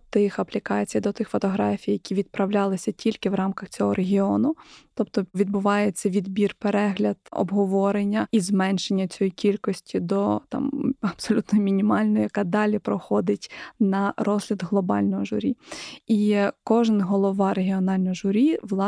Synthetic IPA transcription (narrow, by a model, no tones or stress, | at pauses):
t̪ɪxɐplʲikɑt͡sʲijd̪ɔt̪ɪxfɔt̪ɔɦɾɑfʲijɐkʲiʋʲid̪̚pɾɐwlʲɑlˠɪsʲɐtʲilʲkɪʋɾɑmkɐxt͡sʲɔɦɔɾʔeɦʲiɔnʊt̪ɔpt̪ɔʋʲid̪bʊʋɑjet͡sʲːɐʋʲid̪bʲirpeɾɛɦlʲɐd̪̥ɔ̰bɦɔʋɔɾenʲːɐizmɛnʃenʲːɐt͡sʲɔjikʲilʲkɔsʲtʲid̪ɔt̪ɑ̰mɐb̥sɔlʲut̪nɔjmʲinʲimɑlʲnɔjɐkɑd̪ɑlʲipɾɔxɔd̪ɪtʲnɐrɔzlʲɐd̪ɦlˠɔbɑ̰lʲnɔɦɔʒʊ̰ɾʲiikɔʒɪnɦɔlˠɔʋɑɾeɦʲiɔnɑlʲnɔjɔʒʊɾʲiʋlˠɑ